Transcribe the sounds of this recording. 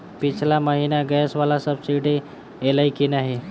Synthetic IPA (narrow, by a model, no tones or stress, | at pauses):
pɪt͡ʃʰlaməɦiːnaɡɛsʋalasəbsiɖe | elaikinaɦi